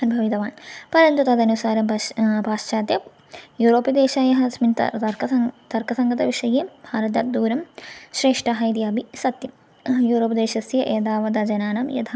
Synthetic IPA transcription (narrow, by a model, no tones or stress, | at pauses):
ɐnbʱɐʋit̪ɐʋaːnpɐɾɐnt̪ut̪ɐd̪ɐnusaːɾɐmpaːʂt͡ʃaːt̪jɐ | juːɾoːpid̪eːʃaːjɐɦɐsmint̪ɐ̰t̪ɐɾkɐt̪ɐɾkʰɐsɐŋɡʱɐt̪ɐʋiʂɐjeːmbʱaːɾɐt̪ɐːt̪̚d̪uːɾɐmʃɾeːʂʈɐɦɐjd̪jaːbʱisɐt̪jɐm | juːɾoːpd̪eːʃɐsjɐʔeːd̪aːʋɐd̪ɐd͡ʒɐnaːnɐmjɐ̰d̪ʰaː